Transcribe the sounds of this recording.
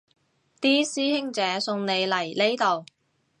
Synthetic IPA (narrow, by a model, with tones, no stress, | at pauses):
t̪iː˥siː˥hɪ˥ŋt͡sɛː˨˥sʊ˧ŋne˨˧jlɐ˨˩jle˥jt̪o˨w